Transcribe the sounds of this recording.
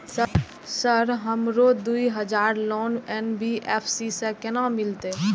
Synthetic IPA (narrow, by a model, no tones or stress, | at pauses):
sə | səɾɦəmɾod̪uiɦəd͡ʒaːɾlɔːnɛnbʱiʔɛːpʰsisekɛnãmɪlt̪e